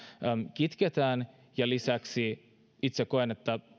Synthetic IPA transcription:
mkit̪ket̪æːn | jɑlisæksi | it̪sekoenet̪ːæ

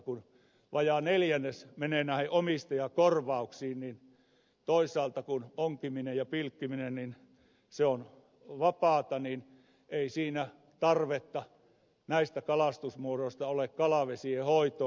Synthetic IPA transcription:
kun | ʋɑjɑneljænːesmeneːnæˑheʔʔomist̪ɑjɑkorʋɑuksiːnnin | t̪oisˑɑːlt̪ɑkunoŋkiminejɑpilkːiminennin | seon | ʋɑpɑːt̪ɑnin | eisiːnæ | t̪ɑrʋet̪ːɑ | næist̪ækɑlɑst̪usmuoroĭst̪ɑolekkɑlɑʋesiehoit̪o

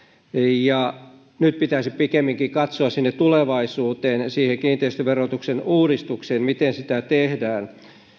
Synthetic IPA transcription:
jɑ | nyt̪̚pit̪æisipikemːiŋkikɑt̪soɑssinːet̪ːuleʋɑisuːt̪eːnsiːheŋkiːnt̪eist̪øʋerot̪uksenuːɾist̪ukseːnmit̪ensit̪æt̪ehdæːn

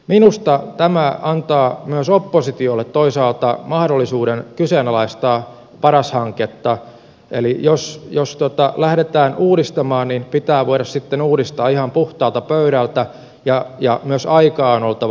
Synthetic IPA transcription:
minust̪ɑt̪æmæɑnt̪ɑːmyøsopːosit̪iolːet̪toisɑːlt̪ɑmɑhdolːisuːɾenkysenɑlɑist̪ɑː | pɑɾɑshɑŋket̪ːɑ | ḛlijosjost̪ot̪ɑlæhɾet̪æːnʔuːdist̪ɑmɑːnninpit̪æːʋoiɾɑssit̪ːenuːɾist̪ɑːihɑmpuht̪ɑːlt̪ɑpøyɾælt̪æ | jɑjɑmyøsɑikɑːnolt̪ɑʋ

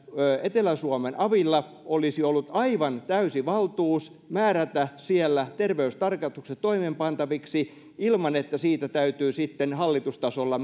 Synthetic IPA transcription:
øet̪elæsuɑmenʔɑʋilːɑ | olisiolːut̪ɑiʋɑnt̪æysiʋɑlt̪uːs | mæːɾæt̪æsielːæt̪erʋeyst̪ɑrkɑst̪ukset̪toimempɑnt̪ɑʋiksi | ilmɑnet̪ːæsiːt̪æt̪æyt̪yːsit̪ːenhɑlːit̪ust̪ɑsolːɑ

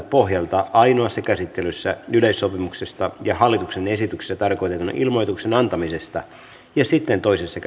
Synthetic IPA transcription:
t̪poɦjɑlt̪ɑʔɑinoɑsːɑkæsit̪ːelysːæyleisːopimuksest̪ɑjɑhɑlːit̪uksenesit̪ykse̥sːæt̪ɑrko̞ijt̪et̪unɑ̰ʔilmo̞jt̪uksenɑnt̪ɑmisest̪ɑ | jɑsit̪ːent̪o̞isesːɑk

